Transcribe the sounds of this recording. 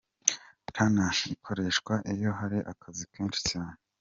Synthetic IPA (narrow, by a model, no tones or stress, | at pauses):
tanaikʰo̞ɾe̞ːʃkwaʔijo̞ɦaɾiʔa̰kʰazikweːnʃi̥caːɲe